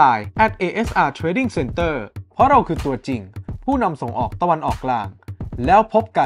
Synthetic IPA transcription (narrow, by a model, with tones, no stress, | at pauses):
aː˧˩jʔɛ˨˩t̪̚ʔeː˧ʔe˦˥sʔaː˧t̪ʰɾeː˧˥di˦˥˩ŋse˧nt̪ɤː˥˩pʰɔ˦˥ɾa˧wkʰɯː˧t̪u˧ɐt͡ɕi˨˩ŋpʰuː˥˩na˧mso˩˦ŋʔɔ̰ː˨˩k̚t̪a˧wa˧nʔɔː˨˩kːlaː˧ŋlɛː˦˥wpʰo˦˥p̚ka˧